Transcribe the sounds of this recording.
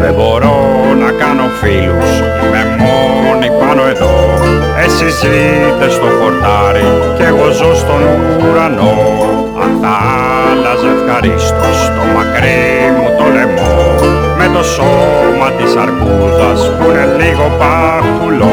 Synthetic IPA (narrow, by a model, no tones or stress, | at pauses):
ðeboɾo | nɐkanofilus | memo | nipanoeðo | esiz | i | t̪est̪okoɾt̪aɾi | ceɣozost̪onu | ɾano | ɐ̰nt̪aa | lɐzefxaɾist̪ost̪omakɾi | mut̪onemo | met̪o̞so | mɐt̪isɐɾku | ðɐspuneniɣopa | kulo